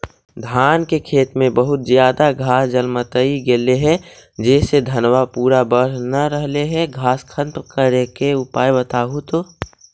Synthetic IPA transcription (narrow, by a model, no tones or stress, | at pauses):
d̪ʱaːnkekʰeːt̪mẽbəɦʊt̪zjaːd̪aɡʱaːsd͡ʒəlmət̪əiɡeːleɦɛd͡ʒɛːsed̪ʱɐnwapuːɾabəɽ̤naɾəɦleɦɛɡʱaːskʰə̃nt̪kəɾekeʊpaːjbət̪aːɦut̪oː